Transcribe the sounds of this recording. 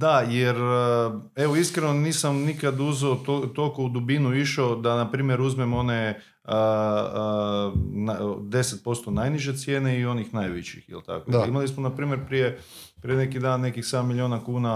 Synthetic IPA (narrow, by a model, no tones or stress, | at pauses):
d̪ajeɾ | eʋoiskɾenoniːsamnikad̪uzeot̪ot̪olˠko̞ud̪ubinuiʃod̪anapɾiːmjeɾuzmemo̞ne̞ | nad̪e̞set̪̚po̞st̪o̞najniʒe̞t̪sjeːne̞io̞nixnajʋet͡ɕḭxḭlt̪a̰koimalismonapɾiːmje̞ɾpɾije̞ | pɾijene̞kid̪aːnːe̞kixsed̪amːilʲjoːnakuːna